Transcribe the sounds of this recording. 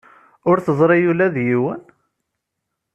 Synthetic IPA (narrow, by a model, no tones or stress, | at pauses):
ʊɾθəzˤɾˤijulæðjiwən